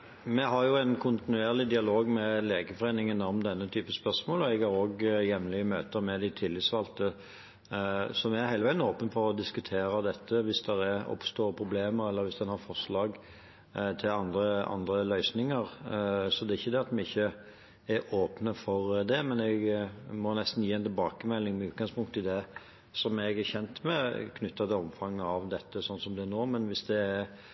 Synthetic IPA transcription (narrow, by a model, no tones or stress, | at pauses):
mɛɦɑɾjʊɛɪnkʰʊnt̪ɪnʉeːʁlɪd̪ɪɑloːɡmɛleːɡəfɔʁeːnɪŋənɔmd̪ɛnːət̪ʰyːpəspœʁsmoːlɔɛɡɑɾoːɡjɛmlɪəmøːt̪əɾmɛd̪ɪt̪ʰɪlːɪt̪sʋɑlt̪ə | sɔmɛæɾhæɪəʋæɪənoːpənfɔɾɔd̪ɪskʉt̪ʰeːɾəd̪ɛt̪ʰːəʋɪsd̪ɛɾæɔ̰pst̪oːʁpʰɾʊbleːməɾɛlːəɾʋɪsd̪ɛnhɑɾfɔʂlɑːɡ | t̪ʰɪlɑnd̪ɾəɑ̰nd̪ɾəlœʏsnɪŋəɾsɔd̪ɛɪçːəd̪ɛɑt̪mɛɪçːə | ɛɾoːpnəfɔɾd̪ɛmɛnɛɡmɔnɛst̪n̩jiːɛnt̪ʰɪlbɑːkəmɛlːɪŋmɛʉːt̪̚ɡɑŋspʊŋt̪ʰːɪld̪ɛ | sɔmɛɡæçɛnt̪mɛ̰kʰnʏt̪ːɑt̪ɪlɔmfɑŋːɑʋd̪ɛt̪ːəsɔnːsɔmd̪ɛænoːmɛnʋɪsd̪ɛæɾ